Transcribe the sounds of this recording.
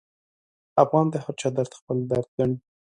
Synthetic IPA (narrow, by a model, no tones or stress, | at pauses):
afɣɑnd̪əhaɾt͡ʃɑd̪aɾt̪xpəld̪aɾd̪əɳ